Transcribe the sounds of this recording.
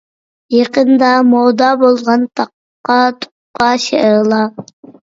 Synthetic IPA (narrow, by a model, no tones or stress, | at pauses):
jeqənd̪ɑmod̪ɑːbolˠʁɑnt̪ʰɑqː | ɑt̪ʰo̥qqːɑʃeʔɾɨlˠɑ